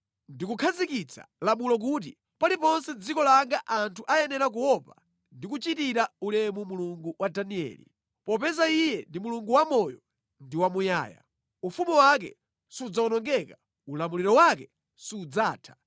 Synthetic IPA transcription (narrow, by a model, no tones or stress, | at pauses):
ndikukʰazikit͡sʰa̰lamulɔk̬ut̬i | palipɔnsɛd͡zikɔlaŋɡaʔantʰuʔajɛnɛɾak̬uwɔpa | ndikut͡ʃitiɾaulɛmumuluŋɡuwʔadaniɛ̰ːlḭ | pɔpɛzaijɛndimuluŋɡuwamɔjɔ | ndiwamuja̰ːja̰ | ufumiwak̬ɛ̰ | siːd͡zaɔnɔŋɡɛka | ulamuliɾɔwak̬ɛ | siːd͡zaːtʰḁ